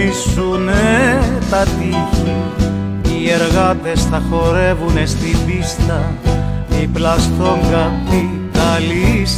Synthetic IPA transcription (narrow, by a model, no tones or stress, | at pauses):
isunet̪ɐt̪ifi | ieɾɣɐt̪e̞sθɐxo̞ɾe̞vunest̪ibist̪ɐ | iplɐsθo̞ŋɡɐθi | kɐlis